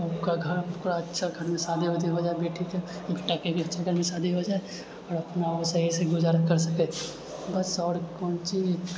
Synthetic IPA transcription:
əpkaɡʱɐɾkoɾaɐtːʃʰaɡʱɐɾmẽsaːd̪ʱiɦot̪iɦod͡ʒaːebeːʈʰikeʈːakekɐtːʃʰaɡʱəɾmẽsaːd̪ʱiɦod͡ʒaːe | ɔːɾɐpnasaɦiseɡʊzaːɾakɐɾsɐkẽ | bɐsɔːɽkɔ̃ːnt͡ʃi

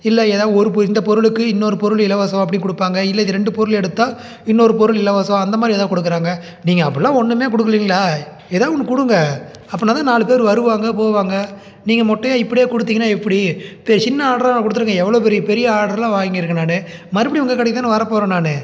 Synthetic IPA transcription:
ɪlːɛeːðaːðɯɔɾɯpɔɾɪnd̪ɐpɔɾɯɭɯkːɯɪnːoːɾɯpɔɾɯɭɪlɐʋɐːsɐ̃ɐpːɐɽɪnkʊɽɯpːaːŋɡɐɪlːɐðɪɾɛɳɖɯpɔɾɯɭɛɽɯt̪ːãː | ɪnːoɾɯpɔɾɯɭɪlːɐʋɐːsɐ̃ɐnd̪ɐmaːd̪ɾieːðaːkɔɽɯkːɯɾaːŋɡɐ | niːŋɡɐɐpːɐɾɪlːãːɔɳːɯmeːkʊɽɯkːɯɾiːŋɡɐɭaː | eːðaːɔnːɯkʊɽɯŋɡɐɐpːɐnaːt̪ãːnaːɭɯpeːɾɯʋɐɾɯʋaːŋɡɐpoːʋaːŋɡɐ | niːŋɡɐmɔʈːɐjaːɪpːɐɽɪjeːkʊɽɯt̪ːiːŋɡɐnːaːɛpːɐɽipɛt͡ʃɪnːɐaːɽɐɾnːkːʊɽɯt̪ːɯɾɯŋɡɐɛʋːɐɭoːp̬ɛɾɪjɐpɛɾɪjɐaːɽɐɾlãːʋaːŋɡɪɾɯkːɐnaːnɯmɐɾɯpɐɽiʊŋɡɐkːɐɽɐkːɪt̪aːnːɯʋɐɾɐpoːɾɐnaːnɯ

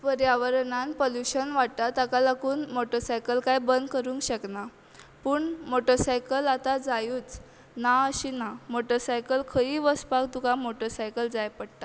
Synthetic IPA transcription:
pəɾjaʋəɾnãnpoljuɕənʋaɽ̚t̪at̪akalakuːnmoʈəsajkəlkajbənd̪kəɾũŋkɕəkna | puːɳmoʈəɾsajkəlat̪ad͡zajuːt͡s | naəɕinamoʈəsajkəlkʰəiʋəspakt̪ukamoʈəɾsajkəld͡zajpəɽt̪a

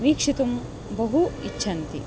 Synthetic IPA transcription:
ʋiːkʂit̪um | bɐɦuit͡ʃːɕʰɐnt̪ḭ

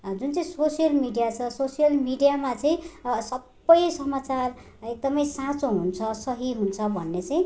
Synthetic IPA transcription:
d͡zunt͡saĩsosjʌlmiɖijat͡sʰʌsosijʌlmiɖijamat͡sʌĩsʌbːʌjsʌmat͡sar | ek̚d̪ʌmʌjsãt͡soɦunt͡sʰʌsʌɦiɦunt͡sʰʌbʱʌnːet͡sʌĩ

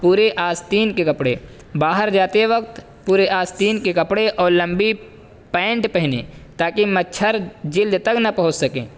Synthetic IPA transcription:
puːɾeʔaːst̪iːnkekɐpɽḛ | baːɦəɾd͡ʒaːt̪eʋəkt̪ | puːɾeʔaːst̪iːnkekɐpɽeʔɔːɾlɐ̃mbi | pɛ̃ːɳʈpɛɦnḛːt̪aːkimɐtːʃʰəɾd͡ʒɪld̪t̪ɐknɐpɐɦʊt͡ʃsɐkḛ̃ː

